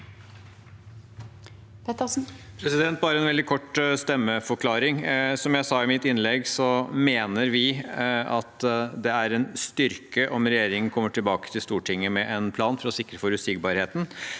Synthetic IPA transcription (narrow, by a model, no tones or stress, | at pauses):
pʰɛt̪əsn̩pʰɾɛsɪd̪ɛnt̪̚bɑːɾəɛnʋɛld̪ɪkʰɔʈːst̪ɛmːəfɔɾkʰlɑːɾɪŋsɔmjæɪsɑːɪmɪt̪ːɪnlɛɡsɔmeːnəɾʋɪɑt̪d̪ɛæɾɛnst̪ʏɾkəʔɔmɾɛjeːɾɪŋənkʰɔmːəʈʰɪlbɑːkə̥t̪ʰɪlst̪uːʈʰɪŋːəmɛʔɛnpʰlɑːnfɔɾɔsɪkːɾəfɔɾʉsɪɡbɑːɾheːt̪n̩